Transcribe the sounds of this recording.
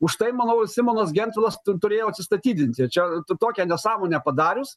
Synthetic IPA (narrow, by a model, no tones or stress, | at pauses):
ʊʃt̪ɐɪmɑːnoʊsʲɪmoːnɐsɡʲɛnʲt̪ʲʋʲɪlˠɐst̪ʊɾʲeːjoːɐt̪ʲsʲɪst̪ɐt̪ʲiːd̪ʲɪnʲt̪ʲɪt͡ʃʲɛt̪t̪oːkʲɛnʲɛsɑːmoːnʲɛpɐd̪ɑːɾʲʊs